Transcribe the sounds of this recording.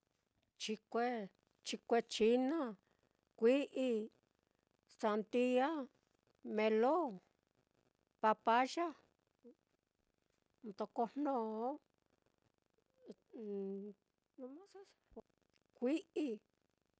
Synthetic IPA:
t͡ʃi˧kʷe˧ | t͡ʃi˧kʷe˧t͡ʃi˧˦nã˦ | kʷi˦ʔi˧ | t͡sa˧nt̪i˦a˦ | mẽ˧lo˦ | pa˧pa˦ʒa˦ | nt̪o˧ko˧n̥nõ˧o˦ | nũ˧mã˦sa˦˧ | kʷi˦ʔi˧

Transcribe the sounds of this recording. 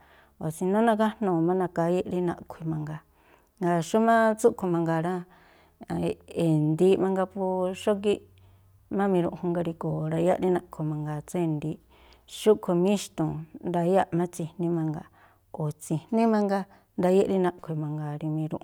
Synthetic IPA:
o˨sĩ˧nõ˦nã˧ka˦nũ˧˨mã˦nã˧ka˧˦je˦ʔɾi˦nã̰˧ʔkʷʰi˧mã˧ŋɡa˧ | ŋɡa˧ʃu˦mã˦t͡su˦ʔkʰo˧mã˧ŋɡa˧ɾã˦˨ | e˨nd̪i˧mã˧ŋɡa˧pu˧ʃo˦k̬i˦ | mã˦mĩ˧ɾṵ̃˧ʔhũ˧ŋɡa˧ɾi˧koː˨ɾa˧ja˦ʔɾi˦nã˧ʔkʰo˨˧mã˧ŋɡa˧t͡se˦nd̪i˧ | ʃu˦kʰo˧mĩ˦ʃt̪ũ˨nɾa˧˦ja˦ʔmã˦t͡si˧nĩ˦mã˧ŋɡa˧ | o˨t͡si˨n̥ĩ˦mã˧ŋɡa˧ | nd̪a˧˦je˦ʔɾi˦nã˧ʔkʷʰi˧mã˧ŋɡa˧ɾi˧mĩ˧ɾṵ̃˧ʔ

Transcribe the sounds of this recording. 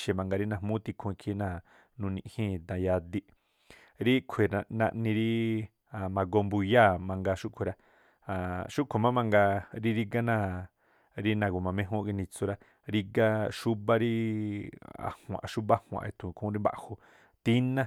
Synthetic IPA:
ʃe˨mã˧ŋɡa˧ɾi˦nã˧˨hmũ˦t̪i˧kʰũ˧i˧kʰi˦nã˦˨ | nũ˧nĩ˧˨hĩː˦˨t̪ã˨ja˧d̪i˧ʔ | ɾi˦kʷʰe˨a˧nã̰˧ʔnĩ˧ɾi˦ | a˨mã˧ɡo˧mbu˧ja˦˨mã˧ŋɡa˧ʃu˦ʔkʷʰe˨ɾa˧ | a˨ʃu˦ʔkʷʰo˨mã˦mã˧ŋɡa˧ɾi˦ɾi˦ɡa˦nã˦˨ | ɾi˦nã˧˨ɡo˨mã˨˧mẽ˧˦ɦõ˦ki˧nĩ˧t͡so˧ɾa˦ | ɾi˦ɡa˦ʃu˦βa˦ɾi˦ | a̰˨hw̃ã̰˨˧ʃu˦βa˦hw̃ã̰˨˧e˧t̪ʰũ˨˧kʰũ˦ɾi˦mba̰˧ʔho˧˨ | t̪i˦nã˦

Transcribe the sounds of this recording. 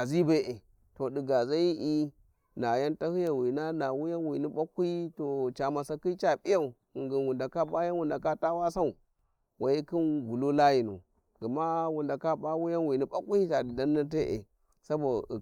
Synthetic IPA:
a˨zi˦be˦ʔe˨ | to˨di˨ɡa˨za˦ji˦ʔi˦ | na˨ja˦nta˦hɨ˦ja˨wi˨na˦na˨wu˦ja˦nwi˨ni˦ɓa˦ku˦i˦to˨t͡ʃa˨ma˨sa˦ki˦t͡ʃa˦pi˦ja˦˨u˨ | ŋɡi˨nwu˨nda˨ka˦ba˦ja˦nwu˨nda˨ka˦ta˦wa˦sa˦u˨ | wa˨ji˦ki˦nɡu˨lo˦la˦ji˨nṵ˨ | ɡi˨ma˦wu˨nda˨ka˦ba˦wu˦ja˦nwi˨ni˦ɓa˦ku˦i˦ta˨di˨da˦nː˦a˦te˦ʔḛ˨ | sa˦bo˨

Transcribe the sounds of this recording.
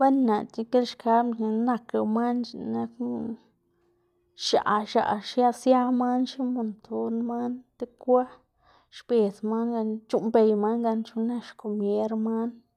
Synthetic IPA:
ba˦nna˨t̪i˧ke˦lʃka˦bna˧kɾa˧ma˦nt͡ʃna˧k | ʃa̰˨ʃa̰˨ʃja˦sja˦ma˦nʃi˦mo˨nt̪ʰo˧nma˦nt̪e˦kʷa˦ | ʃbe˨sma˦nɡa˧t͡ʃu˦mbe˨jma˦nɡa˧nt͡ʃu˧na˦ʃko˨mje˦ɾma˦n

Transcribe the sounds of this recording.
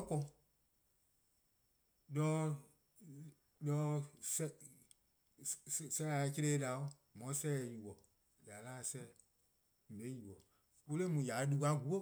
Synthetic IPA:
ɔ˦kɔ̃˧ | lɔː˦ | lɔ˧˦sɛ˦ | sɛ˧˦la˨˧ke˧leː˦da˨o˦ | mɔ̃˨˦sɛ˦˨ji˨wɔ˨ | ja˨˦laː˦˨sɛː˦˨ | m̩˨le˨˦ji˨wɔ˨ | wo˦le˦mũ˨ja˨˦du˧ka˧˦ɡu˨˦o˦

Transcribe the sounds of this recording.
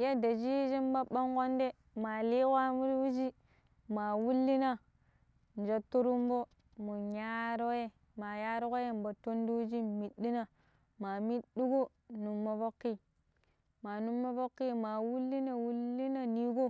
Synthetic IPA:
ja˦da˨d͡ʒi˦d͡ʒi˦m˦ba˦ɓa˦ŋko˦nde˦ | ma˨li˦kʷa˦mu˦ɾi˦wu˦d͡ʒi˦ | ma˨wu˦lːi˦na˦ | n˨d͡ʒa˨tːu˦ɾu˦m˦bo˦ | mo˨ɲa˦ɾo˦je˦ | ma˨ja˦ɾo˦ko˦je˦m˨ba˨to˦n˦di˦wu˦d͡ʒi˦mi˨dːi˦na˨ | ma˨mi˦di˦ɡo˦ | nu˨mːo˨fo˦kːi˦ | ma˨nu˦mːo˦fo˦kːi˦ma˨wu˦lːi˦na˦wu˦lːi˦na˦ni˦ɡo˦

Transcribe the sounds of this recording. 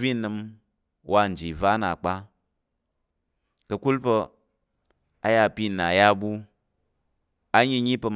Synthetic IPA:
vi˦nɨ˧m | wʔa˧˨n̩˨d͡ʒi˨va˦na˨k͡pa˦ | kə˧ku˦lpə˧ | a˨˦ja˧˨pi˦˨na˨ja˦˨bu˦ | a˦ɲi˧ɲi˦pə˧m

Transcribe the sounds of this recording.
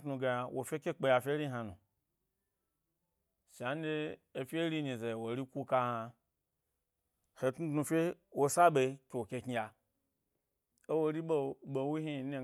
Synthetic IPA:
tnu˨˧ɡa˨ja˨wʔo˨fʲe˦ke˦k͡pe˧ja˨fʲe˦ɾi˦ɦa˨nṵ˨ | ʃa˨n˦de˦ | e˨fʲe˦ɾi˦ni˨ze˨wo˨ɾi˦kʷu˦ka˧ha˧ | he˨tnu˦tnu˧fʲe˦ | wo˨sa˦ɓe˨˦ke˨o˨ke˧ki˧ja˨ | e˦wo˨˦ɾi˦ɓo˦ɓo˨˦wu˦ɦi˦˨ne˦˨

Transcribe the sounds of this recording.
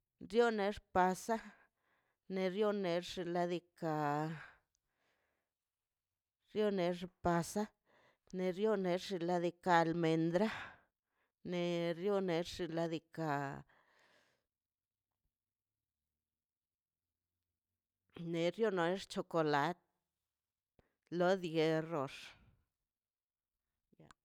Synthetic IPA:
ɾjo˦ne˧ʐpa˧sa˦ | ne˧ɾjo˦ne˧ɾʐi˧la˧d̪i˧ka˧ | ɾjo˦ne˧˦ʐpa˧sa˦ | ne˧ɾjo˦ne˨˧˦ɾʐi˧la˧˦d̪i˧kaː˧˨lme˨˧nd̪ɾa˦ | ne˨˧ɾjo˦ne˨˧˦ɾʐi˧la˧d̪i˧ka˧ | ne˨ɾjo˦no˧e˦ʂt͡ʃo˧ko˨la˧˦t̪̚ | lo˦d̪ɡe˧ro˨ʐ̥ | ja̰˨˧

